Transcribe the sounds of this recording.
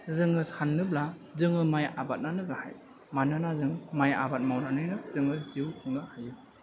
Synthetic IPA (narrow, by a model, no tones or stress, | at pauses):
zɯŋɯsʰanːɯbla | zɯŋɯmajabat̚nanɯɡaha̰j | manɯnazɯŋmaja̰bat̚mawnanɯnɯzɯŋɯziwkʰɯŋnɯhajɯ